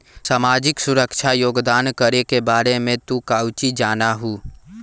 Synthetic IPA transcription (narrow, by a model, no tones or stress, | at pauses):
saːmaːd͡ʒɪksʊɾəkʃʰajoːɡd̪aːnkəɾekebaːɾemẽt̪ukaːwt͡ʃid͡ʒaːnaɦuː